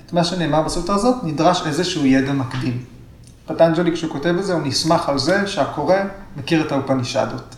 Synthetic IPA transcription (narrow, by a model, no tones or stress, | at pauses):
etmaʃene̞ːmaʁbasutazo̞tnidʁaʃe̞zeʃuujedamakdim | patand͡ʒelikʃeukote̞velzeunismaχalze̞ʃeako̞ʁe̞mekiʁetaupaniʃa̰dot